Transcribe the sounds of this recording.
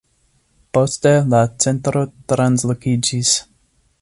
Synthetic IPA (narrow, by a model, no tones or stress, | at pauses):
po̞stelat͡se̞ntɾo̞tɾanslokid͡ʒis